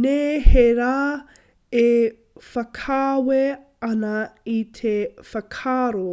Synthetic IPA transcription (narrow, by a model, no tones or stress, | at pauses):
neːheɾaː | e | fɐkʰaːwe | ɐnɐitʰefɐkʰaːɾo